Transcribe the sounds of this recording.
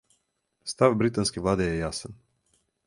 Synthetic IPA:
st̪avbɾit̪anskʲevlˠad̪ejejasən

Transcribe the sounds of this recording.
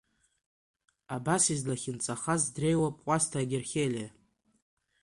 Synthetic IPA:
abasizlaχʲɪnt͡sʼaχazdre̞jwapʼqʷʼastʰaːɡʲerχʲelʲia

